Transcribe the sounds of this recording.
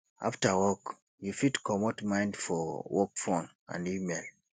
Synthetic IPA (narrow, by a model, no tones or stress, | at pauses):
a̰ftawɔk | jufitkɔmɔtmãɪ̃ndfɔwɔkfɔ̃n | ã̰ndimel